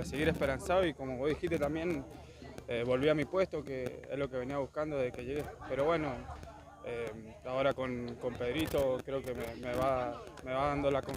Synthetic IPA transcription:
eseɣiɾespe̞ɾansaoikomoβo̞ðixiht̪et̪ambje̞n | eβo̞lβiamipwe̞st̪o̞keḛzlo̞keβe̞niaβuhkand̪oðekeʝeɣepe̞ɾo̞βwe̞no̞ | eao̞ɾakoŋko̞mpe̞ðɾit̪o̞kɾeokememeβameβaðand̪olako

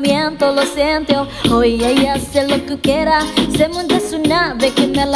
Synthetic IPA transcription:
mjent̪olosent̪jo | ojajaselokukjeɾasemũnd̪esunaβekemel

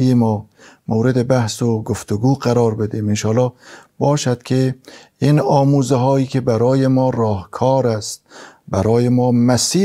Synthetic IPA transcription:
ijemɒːmowɾed̪ebæhsoɡoft̪oɡuːɢæɾɒːɾbed̪iːmenʃɒːlɒːb̥ɒːʃæd̪̥kʰe | inɒːmuːzeɦɒːiːkʲʰebæɾɒːjemɒːɾɒːhkʰɒːɾæst̪bæɾɒːjemɒːmæsiː

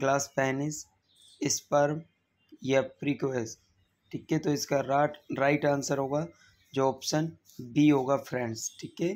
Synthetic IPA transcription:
ɡlaːspɛːnɪs | ɪspɐɾ | japɾiːkʋeːs | ʈʰiːket̪oɪskaɾaɾaːɪʈãːnsəɾɦoːɡaː | d͡ʒoːɔːpʃən | biːɦoːɡapʰɾɛ̃ːɳɖsʈʰiːke

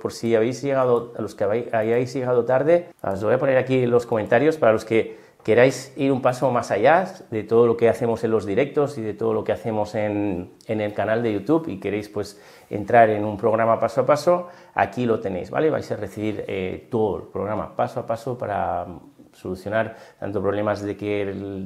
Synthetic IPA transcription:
po̞ɾsiaβejzʝeɣaðoalo̞skβajajzʝeɣað̞o̞t̪aɾð̞e̞̰ozβo̞japo̞ne̞ɾakilosko̞ment̪aɾjo̞spaɾalo̞ske̞ | ke̞ɾajsiɾumpaso̞masaʝaðe̞t̪oð̞olo̞ke̞aθe̞mo̞se̞nlo̞zðiɾe̞k̚t̪osiðe̞t̪o̞ð̞olo̞ke̞aθe̞mo̞sen | ene̞lkanald̪e̞ʝut̪uβḭke̞ɾejspwe̞s | ḛnt̪ɾaɾe̞numpɾo̞ɣ̞ɾamapasoapaso̞ | a̰kilo̞t̪e̞ne̞̰jzβa̰leβa̰jsare̞θiβiɾḛt̪oðo̰lpɾo̞ɣɾama̰pasoapaso̞paɾa̰ | so̞luθjo̞naɾt̪a̰nt̪o̞pɾoβle̞mazðe̞ke

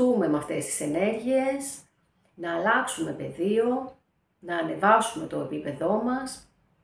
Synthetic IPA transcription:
ume̞meɐft̪e̞st̪i̥se̞ne̞ɾʝie̞s | nɐːlɐksume̞pe̞ðio̞ | nɐːne̞vɐsume̞t̪o̞e̞pipe̞ðo̞mɐs

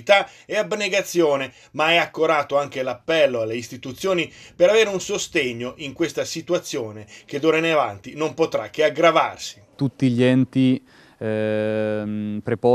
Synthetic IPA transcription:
t̪aeabneɡat̪sːjoːne | maɛakːoɾaːt̪oaŋk̟elapːɛlːoalːeist̪it̪ut̪sːjoːnipeɾaveːɾeunsost̪eɲːoʔiŋkwest̪asit̪uat̪sːjoːnek̟ed̪oːɾeneava̰nt̪inompot̪ɾa̰k̟ːeaɡɾava̰rsi̥t̪ut̪ːiʎɛnt̪i | pɾepɔ

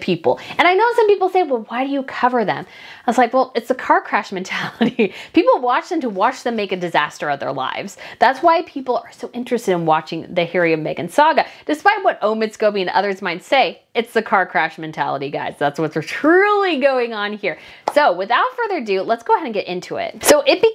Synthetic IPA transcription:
pʰipl̩ˠɨ̃ñaɪnoʊsʌ̃mpipl̩ˠseɪwɛlˠwaɪɾɨjɨkʰʌvə˞ðɨ̰̃m | aɪzlaɪkwɛlˠɨtsɨkʰɑɹkʰɹ̥æʃmɛ̃ntʰælˠəɾipʰipl̩ˠwɑt͡ʃðɨ̃mtʰəwɑt͡ʃðɨ̃meɪkɨdɨzæstə˞ʌvðə̰˞la̰ɪvz̥ðætswaɪpʰipl̩ˠə˞soʊʔɪ̃nt͡ʃɹ̥ɨstɨɾɨ̃nwɑt͡ʃɪ̃ŋðɨhɪɹiʌvmeɪkɨ̃nsɑɡɨd̥ɨspaɪt̚wʌɾõʊ̃mɨtsɡ̥oʊpiɨ̃nʌ̰ðə˞zmãɪ̃ntseɪ | ɨtsðɨkʰɑɹkʰɹ̥æʃmɛ̃ntʰæ̰lˠəɾiɡa̰ɪz̥ðætswʌtə˞tʰɹ̥ulˠiɡoʊɪ̃ŋə̃nhiɹ | soʊwɨθaʊtfɜ˞ðə˞dʉlətsɡ̥oʊəɦɛɾɨ̃n̩ɡɛɾʔɪ̃ntʰuɪ̰t̚soʊʔɪt̚b̥i

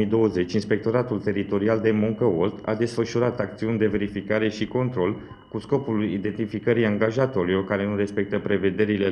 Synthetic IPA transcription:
id̪o̞wəze̞t͡ʃʲinspe̞k̚t̪o̞ɾat̪ult̪e̞ɾit̪o̞ɾiald̪e̞muŋkəolt̪a̰d̪e̞sfəʃuɾat̪ak̚t̪siunʲd̪e̞ve̞ɾifikaɾe̞ʃiko̞nt̪ɾo̞l | kusko̞pulid̪e̞nt̪ifikəɾijaŋɡaʒat̪o̞ɾilo̞rkaɾe̞nuɾe̞spe̞k̚t̪əpɾe̞ve̞d̪e̞ɾile

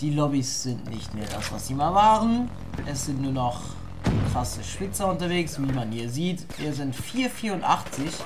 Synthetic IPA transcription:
d̥iːlɔbisz̥ɪntnɪ̰çtmeːɐda̰sv̥asz̥iːmaːlvaːʁən | ʔɛsz̥ɪntnuːɐnɔχ | kʁ̥asəʃpɪt͡sɐʊntɐveːksviːmanhiːɐziːtviːɐzɪntfiːɐfiːɐʊntʔaχt͡sɪç

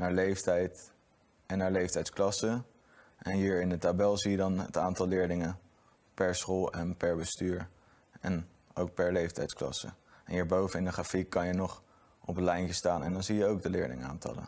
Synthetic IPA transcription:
naːɹlejftɛjt | ɛnːaːɹlejftɛjtsklɑsə | ʔɛnɦiːɹɪndətabɛlˠzijədɑnə̰taːntɑlˠlɪːɹlɪŋə | pɛɹsχolˠɛnpɛɹbəstyːɹ | ɛn | owk̚pɛɹlejftɛ̰jtsklɑ̰sə̰ɛnɦiːɹbowvənɪndəχaːfikːɑnjənɔχ | ʔɔpənlɛjntəstaːnɛ̰ndɑnzijəowɡ̚dəlɪ̰ːɹlɪ̰ŋa̰ːntɑ̰lə̰

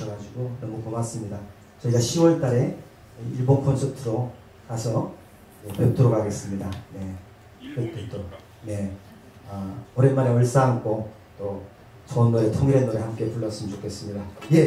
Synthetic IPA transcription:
ʌɡad͡ʑiɡonʌmupomas͈ɯmɲida | t͡ɕʌiɡaɕʰiwʌɭt͈aɾe̞ | iɭbonkʰʌnsʰʌp̚tʰɯɾo | kasʰʌ | epep̚tʰoɾoɡaɡe̞s͈ɯmɲidane̞ | kɯt͈etʰoɾo | ne̞ | ʌʌɾenmaɾeʌɭs͈aŋk͈o | t͈o | t͡ɕʌnnoɾetʰoŋiɾenːoɾehamk͈e̞puɭːʌs͈ɯmnt͡ɕokʰe̞s͈ɯmɲidaje

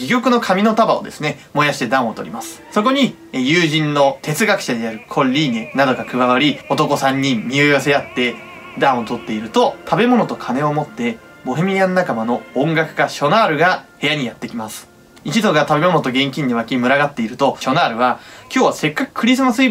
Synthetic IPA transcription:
ɡʲikʲo̞kɯ̟no̞kʰamʲino̞t̪abao̞d̪e̞̰sɨne̞ | mo̞jaɕi̥t̪e̞d̪ãɰ̃o̞t̪oɾʲḭmasɨ̥so̞ko̞ɲ̟i | jɯːʑĩnːo̞t̪e̞t͡sɨɡakɯ̟̥ɕad̪e̞jaɾɯ̟kʰõ̞ɾʲiːnenad̪o̞ɡakɯ̟βaβaɾʲio̞t̪o̞ko̞sãɲ̟ːĩːioijase̞at̪ːe̞ | d̪ãɰ̃ot̪o̞t̪ːe̞iɾɯ̟t̪o̞t̪ʰabe̞mo̞no̞t̪o̞kʰane̞o̞mo̞t̪ːe̞ | bo̞ɦemʲiɡãnːakamanõ̞ːŋɡakɯ̟̥kaɕo̞naːɾɯ̟ɡahe̞jaɲ̟ijat̪ːe̞kʲimasɨ̥ | it͡ɕid̪o̞ɡat̪abe̞mo̞no̞t̪o̞ɡẽ̞ŋkʲĩɲ̟d̪eβakʲimɯ̟ɾaɡat̪ːe̞iɾɯ̟t̪o̞ɕo̞naːɾɯ̟βakʲo̞ːβase̞kːakɯ̟̥kʰɯ̟ɾʲis̬ɨmasɨi

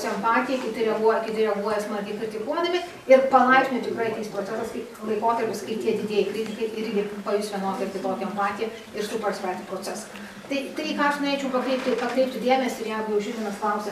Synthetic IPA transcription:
sʲɛmpɑːt̪ʲɪjɛkʲɪt̪ʲɪɾʲɛɡuɔjɛkʲɪt̪ʲɪɾʲɛɡuɔjɛsmɐɾʲkʲɛɪkɾʲɪt̪ʲɪkuɔd̪ɐmʲɪ | ɪɾpɐlˠɐɪksʲnʲʊt̪ʲɪkɾɐɪt̪ʲiːspɾoːt͡sʲɛsɐskɐɪ | lˠɐɪkoːt̪ɐɾʲpʲɪskɐɪt̪ʲiɛd̪ʲɪdʲeɛjɛɪkɾʲɪt̪ʲɪkɐɪʔɪɾʲɡʲɪpɐjʊsʲʋʲiɛnoːt̪ɐɾʲk̪ʲɪt̪oːkʲɛɛmpɑːt̪ʲɪjɛ | ɪɾsʊpɐsʲpʲæːt̪ʲɪpɾoːt͡s̪ʲɛsɐ | t̪ɐɪt̪ʲiːkɑːɐʃnoːɾʲeːt͡ʃʲɛʊpɐkɾʲɛɪp̚ʲt̪ʲɪpɐkɾʲɛɪp̚ʲt̪ʲɪd̪ʲeːmʲɛsʲɪɪɾjæːɡʊjɛʊʒʲɪːiɛnɐsklˠɐʊsʲɛs

